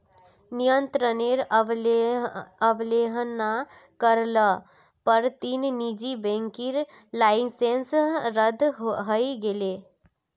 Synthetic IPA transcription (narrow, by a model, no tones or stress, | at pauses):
nijənt̪ɾəneɾ | əbleɦna | kəɾlə | pəɾt̪innid͡ʒibẽŋkiɾ | laɪsensɾəd̪ʱɦɦəjɡele